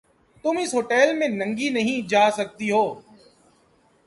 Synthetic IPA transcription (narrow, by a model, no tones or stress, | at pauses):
t̪ʊmɪsɦoːʈɛːlmẽnə̃ŋɡinɐɦĩd͡ʒaːsɐk̚t̪iɦoː